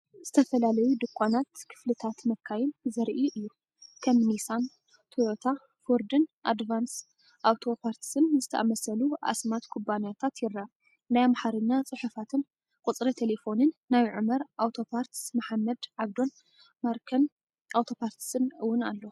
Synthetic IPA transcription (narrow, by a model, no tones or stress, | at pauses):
z̥ɨt̪ʰɐfɐlalɐjud̪ɨkʷʰʼːanat̪kʰɨ̥flɨt̪ʰat̪mɐkʰːajɪnzɐɾʔiʔɨjːu | kʰɐmnisan | t̪ʰojot̪ʰa | fuɾd̪ɨnʔad̪vans | ʔawt̪ʰo̞pʰaɾt̪sɨnzɨt̪ʰɐʔamɐsɐluʔa̰smat̪kʰubanjat̪ʰat̪jɪɾːa | najamaħaɾɨnːat͡sʼɨħufat̪ʰɨn | kʼut͡sʼɾɐt̪ʰelefo̞nɨnːajʕɨmɐɾʔawt̪ʰo̞pʰaɾt̪smaħamːɐd̪ʕaβd̪o̞n | maɾkʰɐn | ʔawt̪ʰo̞pʰaɾt̪sɨnɨwʊna̰lːo